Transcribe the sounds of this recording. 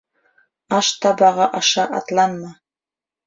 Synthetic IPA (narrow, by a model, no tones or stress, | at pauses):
ɑʃt̪ʰɑbɑʁɑʔɑʂɑʔɑ̰t̪lˠɑnmɑ